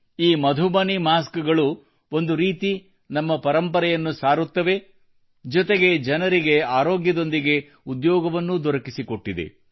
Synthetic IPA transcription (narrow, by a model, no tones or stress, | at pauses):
iːmɐd̪ʱubɐnimaːskɐɡɐɭu | o̞nd̪uɾiːt̪i | nɐmːɐpɐɾɐmpɐɾɐjɐnːusaːɾut̪ːɐʋe̞ | d͡ʒɔt̪eɡe̞d͡ʒɐnɐɾiɡe̞aːɾoːɡjɐd̪o̞nd̪iɡe̞ | ud̪jɔːɡɐʋɐnːud̪ɔɾɐkisiko̞ʈːid̪e̞̰